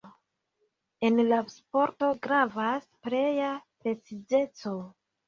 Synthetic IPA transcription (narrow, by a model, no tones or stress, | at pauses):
e̞nlaspo̞ɾto̞ɡɾavaspɾe̞japɾe̞t͡sid͡ʒe̞t͡so̞